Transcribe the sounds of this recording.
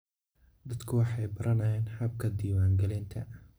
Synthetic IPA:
d̪ɐd̪kʰʊwɑħɑjbɐɾʔɐnɐjɛːnħɐb̚kʰɐd̪iːwaːŋɡɐlɪnt̪ʰɐ̰

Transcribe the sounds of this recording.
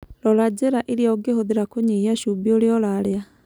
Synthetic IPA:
lɔlad͡ʑeɾaʔeɾeɔɡehoðeɾakoɲeaʃubioɾeɔlaɾea

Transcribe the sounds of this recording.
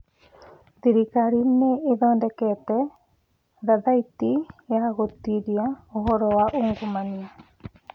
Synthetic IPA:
ðiɾikaɾineːðɔːndɛkɛtɛ | ðaðaitijaɣotiɾiaoɦɔɾɔwaʔoŋɡomania

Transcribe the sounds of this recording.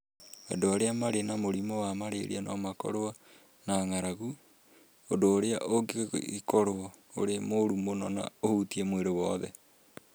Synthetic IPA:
a̰doaɾeamaɾenamoɾimowamaɾḛɾḭanɔmakɔ̰ɾoa | naŋaɾaɣu | odoːɾeaʔoɡḭikɔɾoɔo̰ɾemoɾumonɔna̰ohutiɛmweɾowɔðɛ

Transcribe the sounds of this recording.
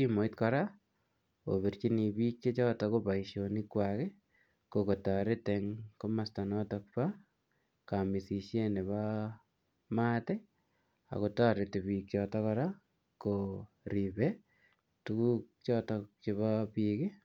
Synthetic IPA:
kimoitkɔɾa | o̰βeɾt͡ʃinibiːk̚t͡ʃet͡ʃɔtɔkopaiʃonikːwake | kokotaɾeteŋkomastanɔtɔk̚pa | kamisiʃjeneβa | mate | a̰kotaɾetebiːk̚t͡ʃɔːtɔkɔɾa | ko | ɾibe | tukuːk̚t͡ʃɔːtɔt͡ʃeβapikɪ

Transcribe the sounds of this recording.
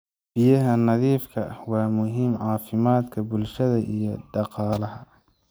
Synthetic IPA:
b̥ɪjɐɦɐnɑðiːfkʰɐwɑːmʊɦiːmʕɑːfɪmaːd̪kʰɐbʊlʃɐðɐʔijɞɖɑqɑːlɐɦɐ

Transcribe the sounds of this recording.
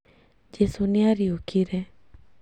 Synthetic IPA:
d͡ʒesuniaɾiokiɾe

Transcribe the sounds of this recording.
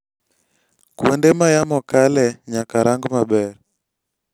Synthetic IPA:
kwɛndemajamɔkalɛɲakaɾaŋɡomabɛɾ

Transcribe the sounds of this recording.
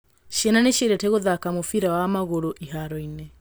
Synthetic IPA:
ʃiɛnaneʃeɾɛteɣoðakamofiɾawamaɣoɾoʔiɦaɾɔinɛ

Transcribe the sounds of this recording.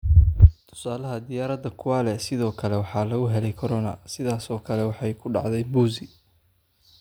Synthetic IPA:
t̪ʰʊ̥saːlɐɦɐd̪ɪjaːɾɐd̪ɐkʰʊwaːlɛsɪðɔːkʰɐlɛwɑħɑːlɐɣʊɦɛlɛjkʰɐɾɔnɐsɪðaːsɔːkʰɐlɛwɑħɑjkʰʊɖɑ̰ʕd̪ɛjbuːzɪ

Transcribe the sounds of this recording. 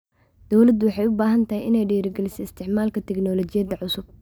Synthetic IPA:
d̪̥ɔwlɐd̪ʊwɑħɑjʊbaːɦɐnt̪ʰɐɦɛjʔɪnɛjɖiːɾɪɡɛlɪsɛɪst̪ʰɪʕmaːlkʰɐt̪ʰɛɡnɔːlɔt͡ʃɪjɐd̪ɐʕʊsʊb̥̚

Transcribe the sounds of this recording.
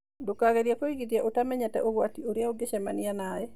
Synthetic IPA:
dokaɣɛɾjakoiɡitjaʔotamɛɲatɛ̰ʔoɡwatioɾjaoɡeʃɛmanɪanaɛ

